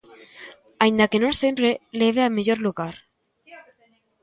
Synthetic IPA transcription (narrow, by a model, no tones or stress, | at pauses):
aind̪akenosempɾeleβeameʎoɾluɣaɾ